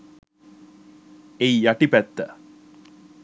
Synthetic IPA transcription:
eijaʈipæt̪ːə

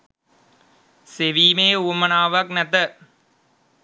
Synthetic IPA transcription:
seʋiːmeːuːmɐnaːʋɐknɛt̪ə

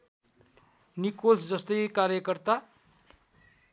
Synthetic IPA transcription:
nikolsd͡zʌst̪ʌjkaɾjʌkʌrt̪a

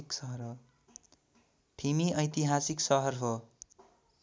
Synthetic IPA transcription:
iksʌɦʌrɦo | ʈʰimiʌjt̪iɦasiksʌɦʌrɦo

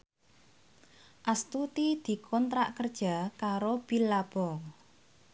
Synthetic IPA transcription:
ʔast̪ut̪id̪̥i̤kʰɔnt̪ɾaʔkərd̥ʒ̥a̤kaɾob̥ilab̥ɔ

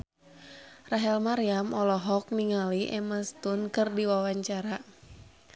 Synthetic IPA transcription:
raɦɛlmaɾiamɔlɔɦɔk̚niŋaliʔɛmast̪unkɨrdiwawaɲt͡ʃaɾa

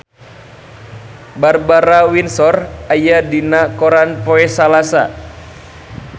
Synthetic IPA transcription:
barbaɾawinsɔrajadinakɔɾanpɔɛsalasa̰

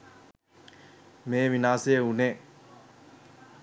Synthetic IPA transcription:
meminaseunẽ

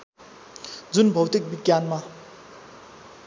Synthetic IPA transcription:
d͡zunbʱowt̪ik̚bikʲːanma

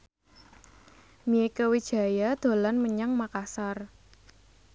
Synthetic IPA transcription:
miekəwid̥ʒ̥ä̤jad̪̥o̤lanməɲaŋmakasar

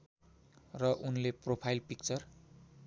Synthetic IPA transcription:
rʌʔunlepropʰajlpik̚t͡sʌr

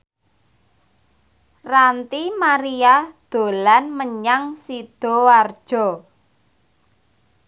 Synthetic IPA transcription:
rant̪imaɾiad̪̥o̤lanməɲaŋsid̪̥ɔ̤ward̥ʒ̥ɔ̤

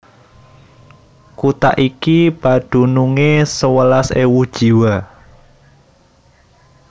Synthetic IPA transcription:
kut̪a̰ʔikib̥ad̪̥ṳnuŋesəwəlasewud̥ʒ̥i̤wa

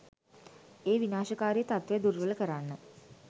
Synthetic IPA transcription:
eːʋinaːʃəkaːɾijət̪at̪ʋejəd̪uɾʋələkəɾanːə

